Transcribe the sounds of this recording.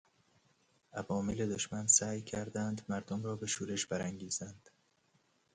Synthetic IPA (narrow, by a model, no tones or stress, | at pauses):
ʔævɒːmele̞d̪oʃmænsæːjcʰæɾd̪ænd̪mæɾd̪omɾɒːbe̞ʃuːɾeʃbæɾæŋɟiːzænd̪̥